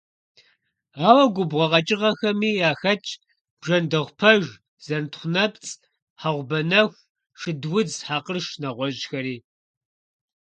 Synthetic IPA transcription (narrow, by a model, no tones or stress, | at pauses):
aːwɐɡʷʊbʁɐʁɐt͡ʃʼɪʁɐxɐmiːaːxɐt͡ʃʼ | b̥ʒɐndɐʁʷpʰɐʒ | z̥ɐntχʷʊnɐpt͡sʼ | ħaʁʷʊbɐnɐxʷ | ʂɨdwʊd͡zħaːqərʂnɐʁʷɔʑxɐɾiː